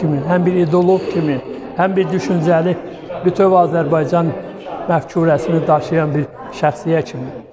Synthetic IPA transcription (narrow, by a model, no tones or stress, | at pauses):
iminɦæmbiɾid̪olˠoɡcʰimi | hæmbiɾd̪yʃynd͡ʒæli | bit̪ʰøvɑːzæɾbɑjd͡ʒɑn | mæft͡ʃʰuɾæsinid̪ɑʃɯjɑnbiɾ | ʃæxsijæcʰimi